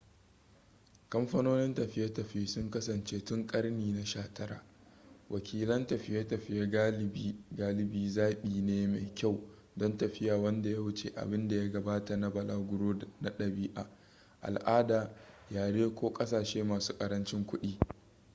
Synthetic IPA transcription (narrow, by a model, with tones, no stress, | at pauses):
kɐ˦mɸɐ˦noː˦nɪ˦ntɐ˨ɸɪ˦ja˦tɐ˨ɸi˦sʊ˦ŋkɐ˦sɐ˨nt͡ʃeː˦tʊ˦ŋkʼɐ˦rniː˨na˨ʃaː˦tɐ˦ɾa̰ː˨ | wʔɐ˨kʲiː˦lɐ˦ntɐ˨ɸɪ˦ja˦tɐ˨ɸɪ˦ja˦ɡa˦ɪ˨bi˦ɡaː˦lɪ˨biː˦zaː˦ɓiː˨neː˦ma˨jkʲa˦˨w | dɔ˦ntɐ˨ɸɪ˦jaː˨wɐ˦nda˨ja˦wʊ˦t͡ʃḛː˦ʔa̰˨bɪ˦nda˨ja˦ɡɐ˨baː˦ta˨na˦bɐ˨laː˦ɡʷʊ˦ɽoː˦na˦ɗɐ˨biː˦ʔa̰˨ | ʔa̰˨lʔaː˦daː˨jaː˨ɽeː˦kʷoː˦kʼɐ˦saː˨ʃeː˦maː˨su̥ː˦kʼɐ˨ɾɐ˦nt͡ʃɪ˦ŋkʷʊ˦ɗiː˦